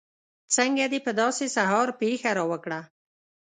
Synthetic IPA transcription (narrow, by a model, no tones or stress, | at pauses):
t͡sɐŋɡed̪ipəd̪ɔːsisaɦɔːɾpiːxaɾoːwɐkɽa